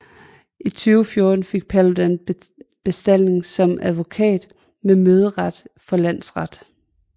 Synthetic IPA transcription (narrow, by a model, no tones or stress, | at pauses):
ʔit͡sʰyːʊfjo̝ːd̥n̩fe̝ɡ̥̚pʰælodæn | b̥e̝sd̥æl̰ne̝ŋsɒ̽mʔæðˠʋo̝kʰɛ̰ːd̥ | memøːð̞ˠəʁɑd̥fɒ̽læn̰sʁɑd̥